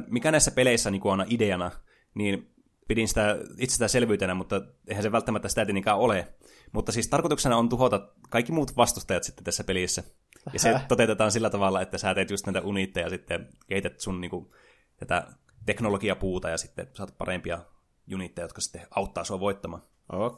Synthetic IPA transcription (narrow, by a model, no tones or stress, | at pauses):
mikænæisːæpeleˑisːæniːŋkuɑˑnɑʔideɑnɑ | niːn | pidinsi̥t̪æit̪sest̪æselʋyːt̪enæmut̪ːɑ | eˑihænseʋælt̪ːæmæt̪ːæsi̥t̪æˑt̪inikæole | mut̪ːɑsiːst̪ɑrkot̪uksenɑont̪uhot̪ɑkɑikːimuːt̪ʋɑst̪ust̪ɑjɑt̪si̥t̪ːe̥t̪t̪æsːæpelisːæ | jɑset̪ot̪et̪et̪ɑːnsilːæt̪ɑʋɑlːɑet̪ːæsæːt̪eːˑt̪just̪næˑit̪æʔunit̪ːejɑsit̪ːekehit̪et̪sunniːŋku | t̪æt̪æ̰ | t̪eknolokiɑpuːt̪ɑjɑsit̪ːḛsɑːt̪̚pɑ̰rempiɑ | junit̪ːejɑjot̪kɑsi̥t̪ːeɑˑut̪ːɑːsuɑʋoˑit̪ːɑmɑ̰ːn | o